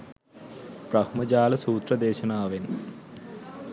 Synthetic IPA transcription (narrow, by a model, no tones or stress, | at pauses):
prɐhmɐd͡ʑaːlɐsuːt̪rɐd̪eːʃɐnaːʋen